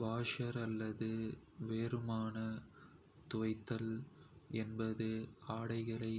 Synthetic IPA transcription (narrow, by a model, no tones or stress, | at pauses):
ʋaːʂɐɾɐlːɐðɯʋeːɾɯmaːnɐ | t̪ʊʋɐɪt̪ːɐl | ɛnbɐðɯaːɽɐɪɣɐɭɐɪ